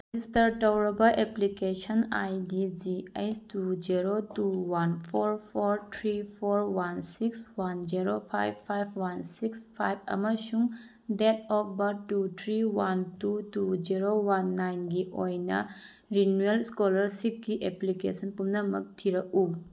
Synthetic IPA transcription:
zistɐɾtɔwɾɔbɐʔeplikesɐna̰jdid͡ʒiejstud͡ʒiɾotuwanpʰɔɾpʰoɾt̪ʰɾipʰoɾwansikswand͡ʒiɾopʰa̰jbʰajbwansikspʰajb̚ɐ̰mɐsuŋ | dɛtʰɔp̚bɐtːut̪ʰɾiwantutud͡ʒiɾowanːajnɡiʔojnɐ̰ | ɾinuelskɔlɐɾsik̚ɡiʔeplikḛsənpumnɐmɐ̰k̚tʰiɾɐʔu

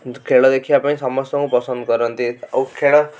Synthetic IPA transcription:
kʰeɭʌd̪ekʰijapanĩsʌmʌst̪ɔŋkũpʌsʌnd̪̚kʌɾənt̪ḭkʰeɭʌ

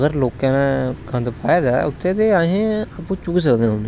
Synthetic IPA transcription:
ɡəɾloːkãːnãkʰə̃nd̪paːeːd̪aːʊt̪ʰːet̪eaːɦẽapũːt͡ʃʊks̬əkd̪ẽːɦʊn

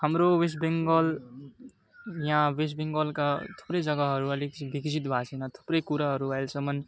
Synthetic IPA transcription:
həmɾowes̬beŋɡəl | jãwes̬bẽŋɡəlkat̪ʰu̥pɾed͡ʒʌɡaɦʌɾuəlikbʱikd͡ʒit̪bʱasinat̪ʰu̥pɾekuɾaɦʌɾuajlsʌmən

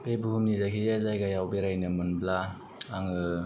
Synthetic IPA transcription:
bebuhumnizakʰijazajɡajawbeɾajnɯmɯnbla | aŋɯ

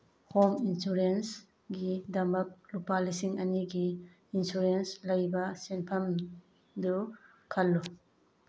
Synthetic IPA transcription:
hominsuɾens | ɡidɐmɐk̚lupalisiŋɐniɡiː | nsuɾenslɐjbɐsenpʰɐm | du | kʰɐlːɔ

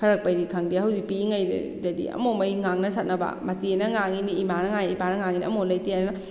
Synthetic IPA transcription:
pʰɐɾɐk̚pɐjdikʰaŋdihɐwzik̚piiŋajd̰dɐdḭɐ̰momɐjŋaŋnɐsʰat̚nɐba̰mɐsienɐŋaŋiniːmanɐŋajibanɐŋaŋiniɐmolɐjtianɐ

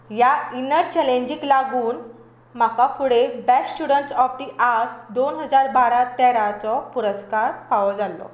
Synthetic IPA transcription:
jainəɾt͡ɕɛlẽɲd͡ʑiklaɡuːn | m̤akafuɽebɛsst͡ɕuɽəɳʈsɔp̚ʈiʔaɾd̪onɦəd͡zaɾbaɽat̪ɛɾat͡sɔpuɾəskaɾpaʋɔd͡zalɔ̰

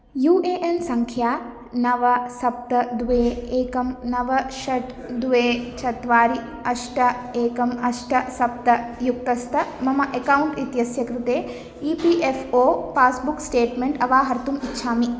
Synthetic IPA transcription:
juːʔeːʔensɐŋkʰjaː | nɐʋɐsɐp̚t̪ɐd̪uʋeːeːkɐmnɐʋɐʃɐʈ | d̪uʋeːt͡ʃʰɐt̪ʋaːɾi | ɐʃʈɐeːkɐmɐʃʈɐsɐp̚t̪ɐjuk̚t̪ɐst̪ʰɐmɐmɐʔekɐwuɳʈit̪jɐsjɐkɾut̪eː | iːpiʔefʰoːpaːsbuksʈeːʈmeɳʈɐʋaːɦɐɾt̪umitːʃʰaːmi

